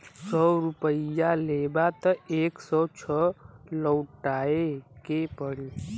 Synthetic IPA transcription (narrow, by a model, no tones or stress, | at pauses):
sɔɾupəjalebat̪əeːksɔt͡ʃʰəlɔwʈaekepəɽi